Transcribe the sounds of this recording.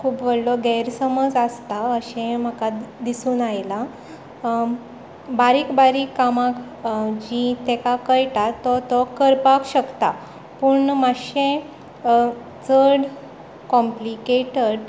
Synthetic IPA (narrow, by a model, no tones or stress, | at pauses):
kʰuːpʋəɽlɔɡɛɾsəməd͡zast̪aəɕẽm̤əkad̪isuːnajla | baɾiːkbaɾiːkːamãk | d͡ʑit̪ẽkakəjʈ̪at̪ɔt̪ɔkəɾpakɕəkt̪a̰ | puːɳmaɕẽ | t͡səɽ | kɔ̃mplikeʈəɽ